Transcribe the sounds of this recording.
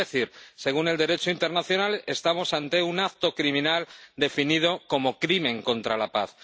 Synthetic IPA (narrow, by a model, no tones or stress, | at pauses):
eθiɾse̞ɣ̞une̞ld̪e̞ɾe̞t͡ʃoint̪e̞ɾnaθjonale̞st̪amo̞sant̪e̞unakt̪o̞kɾimĩnald̪e̞finið̞o̞ko̞mo̞kɾimẽ̞ŋkõ̞nt̪ɾalapaθ